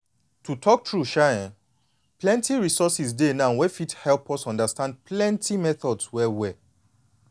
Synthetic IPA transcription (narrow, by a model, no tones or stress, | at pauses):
tutʰɔk̚tɹuʃaãn | plɛ̃ntiɹisɔsisdenãwɛfithɛlˠpʰɔsɔ̃ndastãnd̚pʰlɛ̃ntʰimɛθɔdswɛwɛ